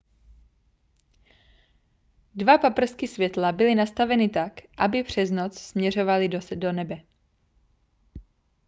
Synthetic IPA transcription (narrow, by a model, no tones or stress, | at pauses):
dvapapr̩skɪsvjɛt̪labɪlɪnast̪avɛnɪt̪akʔabɪpr̝̥ɛznot͡ssmɲɛro̞valɪdodonɛbɛ